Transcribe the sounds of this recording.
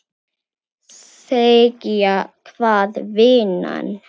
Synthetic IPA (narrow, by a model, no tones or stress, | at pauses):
s | ekiakʰvaːðvɪːna̰n